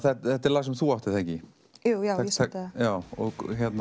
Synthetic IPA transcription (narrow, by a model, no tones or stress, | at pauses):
θɛt̪θɛt̪ɛɾlaːsɪmθuːaht̪ɪθɛŋcɪ | jujaɛjaːwɔɣçɛt̪na